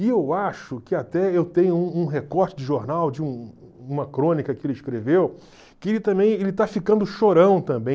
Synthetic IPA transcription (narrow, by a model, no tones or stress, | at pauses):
ɪewaʃʊkɪat̪ɛewt̪ẽɲʊũũɦekɔɾt͡ʃɪd͡ʒɪʒoɾnawd͡ʒɪũ | ũmɐkɾõnikɐkɪelɪʃkɾevew | kɪelɪt̪ɐ̃mbẽj̃elɪt̪afikɐ̃nd̪ʊʃoɾɐ̃w̃t̪ɐ̃mbẽ